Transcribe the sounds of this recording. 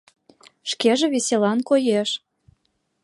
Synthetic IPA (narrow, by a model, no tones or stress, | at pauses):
ʃkeʒĕβesʲelɑnkojeʃ